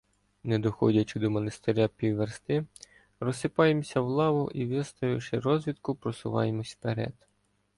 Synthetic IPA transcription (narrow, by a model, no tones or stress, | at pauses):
nɛd̪ɔxɔdʲɐt͡ʃɪd̪ɔmɔnest̪eɾʲapʲiwːerst̪ɪ | ɾɔsɪpɑjemsʲɐwlˠɑʋʊʔiʋʲɪst̪ɐjʊʃɪɾɔzʋʲit̪kʊpɾɔsʊʋɑ̰jemɔsʲpeɾɛ̰d̪̥